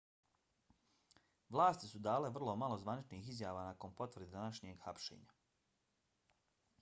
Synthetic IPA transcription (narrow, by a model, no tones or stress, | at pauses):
ʋlˠaːst̪isud̪aːleʋr̩lˠo̞malˠozʋanit͡ʃniːxizjaːʋaːnako̞npo̞t̪ʋɾr̩d̪ed̪anaʃɲeɡxapʃḛːɲa